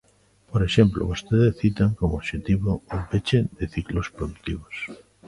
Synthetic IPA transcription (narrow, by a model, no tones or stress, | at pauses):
poɾeʃemplo̰βost̪eðesθit̪aŋkomooβʃet̪iβoompet͡ʃed̪eθiklospɾoðuk̚t̪iβ̞os